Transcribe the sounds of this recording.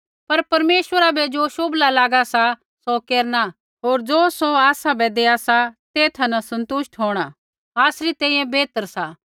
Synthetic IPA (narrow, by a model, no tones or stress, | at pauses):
pɐɾpɐɾmeːʃwəɾabɛd͡ʒoːʃoːblalaːɡasa | sokeːɾna | ɦoːɾd͡ʒoːsoaːsabɛd̪eːasat̪eːt̪ʰɐnasɐ̃nt̪ʊʃʈɦoːɽ̃a | aːsɾit̪ɛ̃ːĩjɛ̃beːt̪əɾsaː